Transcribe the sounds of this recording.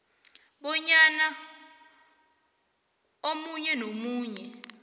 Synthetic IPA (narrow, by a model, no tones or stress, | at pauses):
ɓɔɲana | omuɲɛnomuːɲɛ